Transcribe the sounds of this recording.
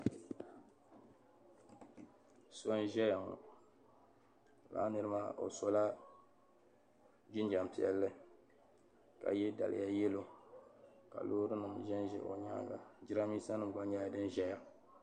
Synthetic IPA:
so˦n˦ʒɛ˦ja˨ŋɔ̰˨ | la̰ː˦nɨ˦ɾɨ˦maː˦ʔo̰˨so˦la˦ | d͡ʒi˦nd͡ʒa˨m˨pi˦˨ɛ̰˦lːɨ˦ | ka̰˨jɛ˦da̰˨lɪ̰˨ja˦jɛ˦lo˦ | ka̰˨loː˦ɾɨ˦nɨ˨mʒɛ˦nʒɛ̰˨ʔo̰˨ɲa̰ː˦ɡa̰˨d͡ʒi˦ɾa˦miː˦sa˦nɨ˦m˨ɡa˦ɲa˦˨dɨ˦nʒɛ˦ja˨

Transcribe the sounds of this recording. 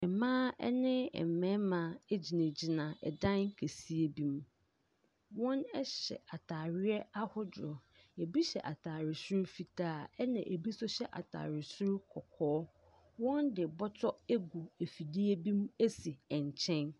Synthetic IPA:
ɛ˨mãː˦ɛ̰˦nɪ̃˦ɛ̰˨m̩˨mɛ̃˦mã˨e˦d͡ʑi˨nẽ˨d͡ʑɪ˨nã˨ɛ̰˨dã˦nkʰe˨si˦e˦bĩ˦m | wɔ̃˦nɛ˦ɕɛ̰˨a˨tʰaː˨ɾɪ˦ɛ˦a˦hʊ˦d͡ʑʊ˨ɾɔ˨ | ɛ˨bi˦ɕɛ̰˨ʔa˨tʰaː˨ɾɪ˨sʊ˦ɾu˦fi˨tʰaː˦˨ɛ˦nɪ̃˨ʔe˨bi˦sɔ˦ɕɛ˦ʔa̰˨tʰa̰ː˨ɾɪ˨sʊ˦ɾu˦kʰɔ˨kʰɔː˦ | wɔ̃˦ndɪ˨bɔ˦tʰɔ˦e˦ɡu˨e˨fi˨di˦e˦bĩ˦m˦e˦si˨ɛ̃˨ɲ˨t͡ɕʰɛ̃˦n

